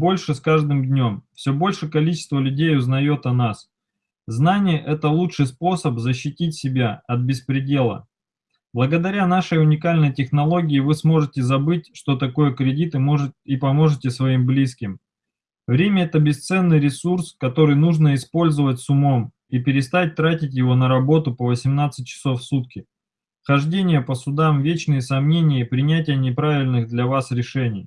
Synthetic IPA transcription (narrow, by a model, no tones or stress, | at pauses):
bo̞lʲʂɨskaʐd̪ɨmd̪ʲnʲo̞mfsʲɵbo̞lʲʂɨkɐlʲit͡ɕɪ̥st̪vəlʲʉdʲejʊznɐjo̞t̪ɐnas | znanʲɪjəʔɛt̪əlˠutʂɨjspo̞səpzəɕːɪtʲitʲsʲɪbʲaɐt̪̚bʲɪspɾʲɪdʲe̞lˠə̰ | b̥lˠəɡəd̪ɐɾʲanaʂəjʊnʲɪkalʲnəjtʲɪxnɐlˠo̞ɡʲɪːvɨsmo̞ʐɨtʲɪzɐbɨtʲʂt̪o̞t̪ɐko̞jəkɾʲɪdʲit̪ɨmoʐɨipɐmo̞ʐɨtʲɪsvɐimblʲiskʲɪm | vɾʲemʲəɛt̪əbʲɪst̪sɛnːɨjɾʲɪsurskɐt̪o̞ɾɨjnuʐnəɪspo̞lʲzəvət̚ʲsʊmo̞m | ipʲɪɾʲɪst̪at̚ʲt̪ɾatʲɪt̬ʲjɪvo̞nəɾɐbo̞t̪ʊpəvəsʲɪmnat̪sɨt̚ʲt͡ɕːɪ̥so̞fsut̪kʲɪ | xɐʐdʲenʲɪjəpəsʊd̪amvʲet͡ɕnɨjəsɐmnʲenʲɪjəpɾʲɪnʲætʲɪjənʲɪpɾavʲɪlʲnɨɣd̪lʲɐvasɾʲɪʂɛnʲɪj